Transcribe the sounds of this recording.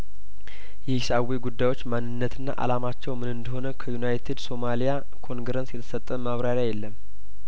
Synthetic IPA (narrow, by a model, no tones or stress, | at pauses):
jɛhʃaweɡud̪ːajwo̞t͡ʃːmanːɨnːət̪ʰɨnːa̰ʔa̰lamat͡ʃːɛwmɨnɨnd̪əɦo̞nəkʰəjunajt̪ʰid̪so̞malija | kʰo̞ŋɡɾənsjɛt̪ʰə̥sət̪ʼːəmaβɾaɾjajɛlːəm